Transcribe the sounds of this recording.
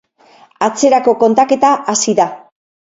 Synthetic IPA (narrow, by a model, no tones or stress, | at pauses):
at͡se̞ɾako̞ko̞nt̪ake̞t̪aʔasiða